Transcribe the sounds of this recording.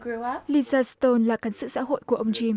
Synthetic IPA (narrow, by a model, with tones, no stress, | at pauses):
li˧zaː˧st̪o˧nlaː˨˩ka˨˦ŋ̟sɨ̰˧˨sa̰˧˥ɦo̰˧˨jku˧˩əʔə˧wŋ͡mt͡ɕi˧m